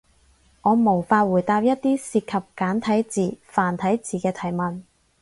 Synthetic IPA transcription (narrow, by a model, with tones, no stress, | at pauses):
ŋɔː˨˧mo˨˩wfaː˧t̚wuː˨˩jt̪aː˧p̚jɐ˥t̚t̪iː˥siː˧t̚kʰɐ˨p̚kaː˨˥nt̪ʰɐ˨˥jt͡siː˨˩faː˨˩nt̪ʰɐ˨˥jt͡siː˨˩kɛː˧t̪ʰɐ˨˩jmɐ˨n